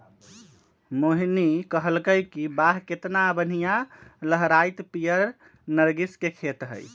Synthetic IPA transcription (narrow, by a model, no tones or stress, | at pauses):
moɦinikəɦəlkəjkibaɦket̪nabən̤ijaləɦɾajt̪pijəɾ | nəɾɡiskekʰet̪ɦə̰j